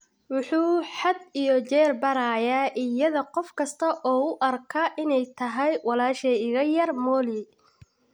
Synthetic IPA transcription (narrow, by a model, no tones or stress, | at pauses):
wʊħuːħɑd̪ijɔt͡ʃɛːrbɐɾajaːʔɪjɐðɐqɔfkʰɐst̪ʰɐʔɔːʊʔɐrkʰɐʔɪnɛjt̪ʰɐɦɛjwɑlaːʃɛɪɣɐjɐrmɔːli